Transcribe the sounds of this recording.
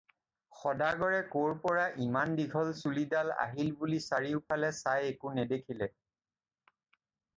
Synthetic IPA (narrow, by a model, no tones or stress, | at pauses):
xɔdaɡɔɹɛkoɹpɔɹaʔimandiɡʱɔlsulidala̰ɦilbulisaɹiʊpʰalɛsajekʊnɛdekʰilɛ